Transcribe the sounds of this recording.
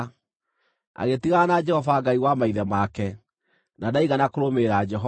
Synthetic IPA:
a̰ɣetiɣanad͡ʒɛhɔvaɡaiwamaiðɛmakɛ | nadaiɣanakoɾomeɾad͡ʒɛɦɔ

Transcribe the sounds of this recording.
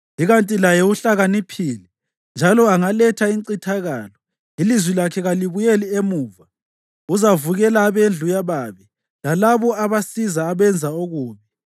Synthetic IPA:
iɣantʼilajɛuɬaɣanipʰiːli | nd͡ʒʱalɔaŋalɛtʰaiǀitʰaɣaːlɔ | ilizwilakʰɛɣaliβujeliemuːva | uzavuɣɛlaːβend͡ɮʱujaβaβɛ | lalaβɔaβasizaːβɛnd͡zʱaoɣuːmɛ

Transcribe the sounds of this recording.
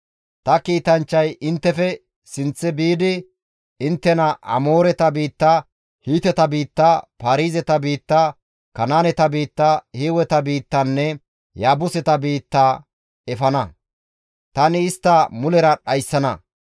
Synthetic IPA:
t̪ɐkiːt̪ɐnt͡ʃːɐjɪnt̪ːɛfɛ | sɪnt͡sːɛbiːd̪ɪ | ɪnt̪ːɛnɐʔɐ̰moːɾɛt̪ɐbiːt̪ːa | hiːt̪ɛt̪ɐbiːt̪ːaːpaːɾiːzɛt̪ɐbiːt̪ːa | kɐnaːnɛt̪ɐbiːt̪ːahiwɛt̪ɐbiːt̪ːɐnːɛ | jaːbʊsɛt̪ɐbiːt̪ːaː | ɛfɐnɐ | t̪ɐnɪɪst̪ːɐmʊlɛɾɐɗɐjsːɐnɐ

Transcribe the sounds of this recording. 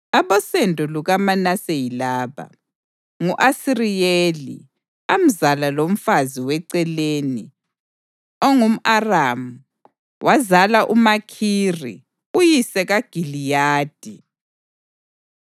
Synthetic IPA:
aβɔsɛndʱʼuluɣamanasejilaːβa̰ | ŋuʔasirijelḭ | am̩zalalom̩faziwɛǀɛleːni | ɔŋum̩aramu | wʔazalaʔumakʰirḭ | ujisɛɣaɡ̥ʱilijaːd̥ʱi

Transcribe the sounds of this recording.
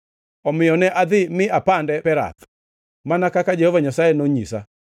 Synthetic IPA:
ɔmɪɔnɛʔaðɪmɪapandɛpɛɾa̰tɔ̥ | manakakad͡ʒɛhɔvaɲasaɛnoɲisa

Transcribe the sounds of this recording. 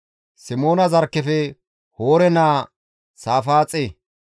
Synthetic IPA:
sɪmo̞ːnɐzɐɾkːɛfɛ | hoːɾɛnaː | saːfaːt͡sʼe

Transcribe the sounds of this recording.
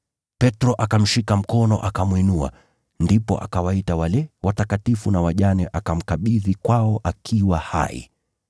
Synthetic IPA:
pɛtɾɔʔakam̩ʃikam̩kɔnɔ̰ʔakamwinua̰ | ndipɔ̰ʔa̰kawaitawalɛwatakatifunawaʄanɛʔakam̩kaɓiðikwaɔʔakʰiwaha̰ḭ

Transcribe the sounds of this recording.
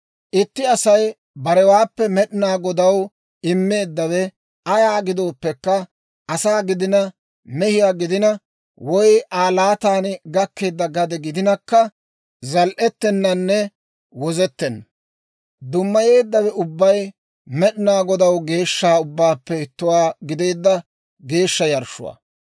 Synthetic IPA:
ʔɪt̪ːɪɐsɐj | bɐɾɛwaːpːɛmɛɗɪnaːɡɔd̪ɐw | ɪmːe̞ːd̪ːɐwɛ | ɐjaːɡɪd̪o̞ːpːɛkːɐ | ʔɐsaːɡɪd̪ɪnɐ | mɛhɪjaːɡɪd̪ɪnɐ | wɔjʔaːlaːt̪aːnɡɐkːe̞ːd̪ːɐɡɐd̪ɛɡɪd̪ɪnɐkːɐ | zɐlʔɛt̪ːɛnːɐnːɛ | wɔzɛt̪ːɛnːɐ | d̪ʊmːɐje̞ːd̪ːɐwɛʊbːɐj | mɛɗɪnaːɡɔd̪ɐwɡe̞ːʃːaːʊbːaːpːɛɪt̪ːʊwaːɡɪd̪e̞ːd̪ːɐ | ɡe̞ːʃːɐjɐɾʃʊ̰wa̰ː

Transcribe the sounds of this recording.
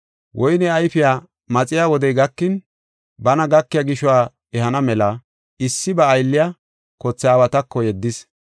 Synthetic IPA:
wʔɔjnɛɐjfɪjaː | mɐt͡sʼɪjaːwɔd̪ɛjɡɐkːɪn | bɐnɐɡɐkːɪjɐɡɪʃɔwaː | ɛhɐnɐmɛlɐ | ɪsːɪbɐːjlːɪja | kɔt͡sːɛaːwɐt̪ɐkːɔjɛd̪ːɪs

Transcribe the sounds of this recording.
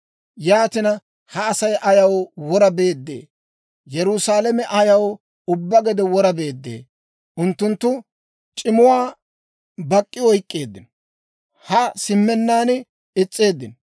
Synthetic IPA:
jaːt̪ɪnɐ | hɐːsɐjʔɐjɐwwɔɾɐbe̞ːd̪ːḛː | jɛɾʊsaːlɛmɛʔɐjɐw | ʊbːɐɡɛd̪ɛwɔɾɐbe̞ːd̪ːḛː | ʔʊnt̪ːʊnt̪ːʊ | t͡ʃʼɪmʊwaː | bɐkʼːɪwɔjkʼːeːd̪ːɪn | hɐsɪmːɛnːaːn | ɪt͡sʼːeːd̪ːɪn

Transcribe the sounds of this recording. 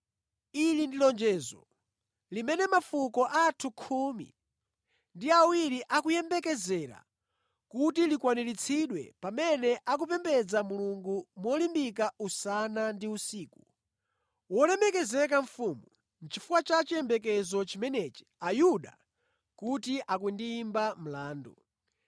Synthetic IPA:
ilindilɔnd͡ʒɛːzɔ̰ | limɛnɛmafukɔʔatʰukʰumḭ | ndiawiɾiʔakujɛmbɛkɛzɛɾa̰ | kutilikwaniɾit͡sʰiɗwɛ̰pamɛnɛʔak̬upɛmbɛd͡zamuluŋɡumɔlimbik̬ausanandiusiːku | wɔlɛmɛkɛzɛk̬aɱ̩fuːmu | n̩t͡ʃifuwat͡ʃat͡ʃijɛmbɛk̬ɛzɔt͡ʃimɛnɛt͡ʃi̥ajuɗa̰ | kutiʔakundiːmbam̩laːndṵ

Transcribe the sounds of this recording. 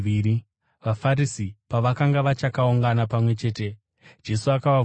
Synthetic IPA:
iɾi | ʋafaɾisipaʋakaŋɡaʋat͡ʃakauŋɡanapamwe̞t͡ʃe̞ːte̞ | d͡ʒe̞suakaʋa

